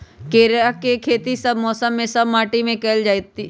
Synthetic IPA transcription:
keːɾakekʰeːt̪isəbmɔːsəmːẽsəbːaːʈimẽkɛːld͡ʒaːit̪ːi

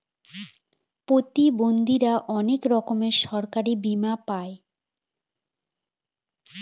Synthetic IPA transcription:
pot̪ibond̪iɾaʔɔnekɾɔkomeʃɔɾkaɾibimapae

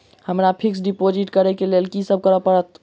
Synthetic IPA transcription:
həmɾapʰiksɖipod͡ʒiʈkəɾɛkelelkisəb̚ʱkəɾəpəɾət̪

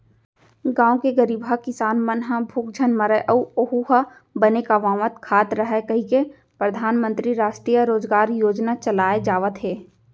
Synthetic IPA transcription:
ɡãːõkeɡəɾiːbɦakɪsaːnmənɦãbʱuːk̚d͡ʒʱənməɾəʔɐuoɦuɦa | bɐnekaʋãːʋət̪kʰaːt̪ɾəɦɛkɐɦĩke | pɾəd̪ʱaːnmə̃nt̪ɾiɾaːʃʈɾiːjəɾoːd͡ʒɡaːɾjoːd͡ʒnat͡ʃɐlaːed͡ʒaːʋət̪ɦeː

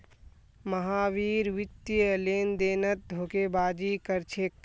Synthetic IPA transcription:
məɦaːʋiːɾʋɪt̪ːjəleːnd̪eːnət̪̚d̪ʱoːkebaːd͡ʒikəɾt͡ʃʰekː

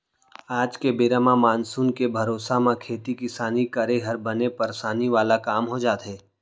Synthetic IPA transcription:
aːd͡ʒkebeːɾəmamaːnsuːnkebʱɐɾoːsamãkʰeːt̪ikɪsaːnikɐɾeɦɐɾbɐnepɐɾsaːniʋaːlakaːmɦod͡ʒaːt̪ɦɛː

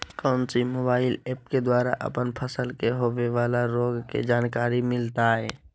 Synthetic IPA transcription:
kɔ̃ːnsimoːbaːɪleːp̚ked̪waːɾaʔə̰pənpʰəsəlkeɦoʋeʋaːlaɾoːɡkḛd͡ʒaːnkaːɾimɪlt̪aɦɛː

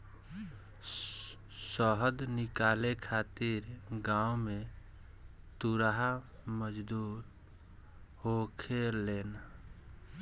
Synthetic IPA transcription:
səɦd̪nikalekʰat̪iɾɡaume | t̪uɾaɦa | məd͡ʒd̪uɾ | hokʰelen

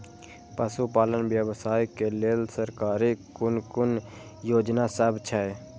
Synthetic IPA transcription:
pəsupaːlənbjəbsaːjkeleːlsəɾkaːɾikʊnkʊn | joːd͡ʒnasəbt͡ʃʰɛe

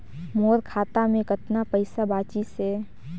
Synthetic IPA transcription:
moːɾkʰaːt̪amẽkət̪napəɪsabaːt͡ʃise

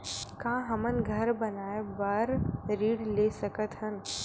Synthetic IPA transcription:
kãːɦɐmənɡʱɐɾbɐnaːebaɾɾiːɽleːsɐkət̪ɦən

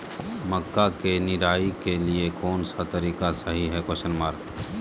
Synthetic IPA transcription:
məkːakenɪɾaːikeliekɔːnsat̪ɐɾiːkasɐɦiɦɛkoʃənmaːɾ

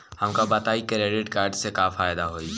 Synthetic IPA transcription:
hɐmkabɐt̪aːikɾeːɖɪʈkaːɾɖsekaːfaːjd̪aɦoːiː

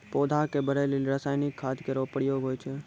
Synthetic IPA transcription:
poːd̪ʱakebəɾelilɾaːsaːjnɪkʰːaːd̪keɾoːpəɽjoːɡɦoːjt͡ʃʰe

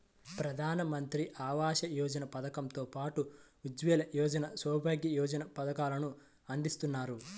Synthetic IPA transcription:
pɾɐd̪ʱaːnɐmɐnt̪ɾiʔaːʋaːʃɐjɔːd͡ʒɐnɐpɐd̪ɐkɐmt̪oːpaːʈu | ud͡ʒʋɛːlɐjɔːd͡ʒɐnɐsɔːbʱaːɡjɐjɔːd͡ʒɐnɐpɐd̪ɐkaːlɐnu | ɐnd̪ist̪unːaːɾu

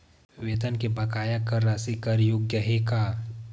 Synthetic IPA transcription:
ɪʋeːt̪ənkebʱɐkaːjakəɾːasikɐɾjoɡjəɦekaː

